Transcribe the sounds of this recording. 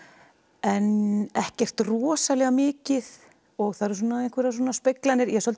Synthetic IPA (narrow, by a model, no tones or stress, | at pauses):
ɛnɛhcɛr̥t̪rɔːsalɛɣamɪːcɪð | ɔɣθaðɾs̬uːnaejŋ̥kvɪɾas̬ɔːnaspɪklanɪɾjɛsɔlt